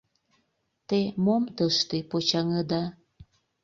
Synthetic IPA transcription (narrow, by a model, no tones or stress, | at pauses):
t̪emomt̪əʃt̪epot͡ɕɑŋəd̪ɑ